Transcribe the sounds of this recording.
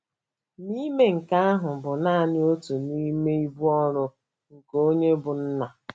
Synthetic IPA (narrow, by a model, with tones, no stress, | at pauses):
ni˦me˦ŋ̩˨ka˦a˦ɦʊ˨bʊ˨na˦˨nɪ˦o˦tu˨ni˦me˦i˦bu˦ɔ˦ɾʊ˦ | ŋ̩˨ko˦ɲe˦bʊ˨n̩˦na˨